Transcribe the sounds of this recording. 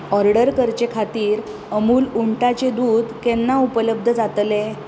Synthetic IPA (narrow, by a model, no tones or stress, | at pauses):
ɔɾɽəɾkəɾt͡ɕekʰat̪iːɾ | əmuːluɳʈat͡ɕed̪uːd̪kenːaupələb̚d̪ʱəd͡zat̪le